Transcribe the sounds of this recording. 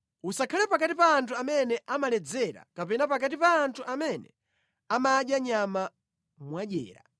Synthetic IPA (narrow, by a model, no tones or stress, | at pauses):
usakʰalɛpakatipaːntʰuamɛnɛʔamalɛd͡zɛɾa̰kapɛnapakat̬ipaːntʰuʔamɛnɛ̰ | amaːɗjaɲama | mwaɗɛ̰ːɾa̰